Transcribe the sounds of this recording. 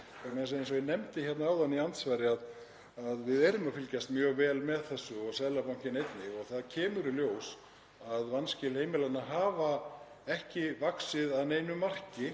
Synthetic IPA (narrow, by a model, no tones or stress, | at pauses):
amɛns̬aensɔɪnɛmt̪ɪçɛt̪naaːwðanːiant̪svaːjɾɪað | aðvɪðɛɾʏmawfɪlcast̪mjœːɣvɛːlmɛðθɛsːʏɔɣsɛðlapawŋ̥cɪnejt̪nɪɣɔɣθaðcʰɛːmʏɾɪljoːws | aðvanscɪlheːjmɪlanːaɦaːva | ɛhcɪvaksɪðaðnejnʏmːar̥cɪ